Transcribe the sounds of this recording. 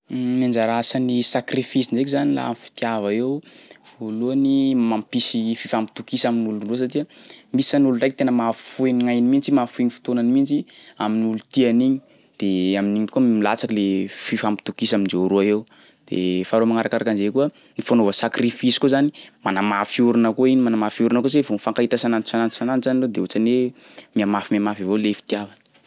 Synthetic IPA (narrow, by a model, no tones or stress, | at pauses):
nand͡ʒaɾasanisakrifisind͡ʒek̬izanila̰amifi̥t̪javaewv̥oluanimampisififampi̥t̪ukisaminulunrus̬atiəmisanulunrajk̚t̪enəmaffueniŋajnimint͡simafuiɲifi̥t̪onanimint͡ʃia̰minulut̪ianiɲi | d̪̥eaminiɲikuəmmilat͡sakilefifampi̥t̪ukisamind͡ʒeɾuaew | d̪̥ḛfaɾomaŋaɾakaɾakanzekuə | nifanovəsakrifisi̥kuzanimanamafiuɾunəkuinimanamafiuɾunəkuzevonfaŋkait̪asanansanansananzaniled̪eut͡sane | miamafimamafivolefi̥t̪iavanə̥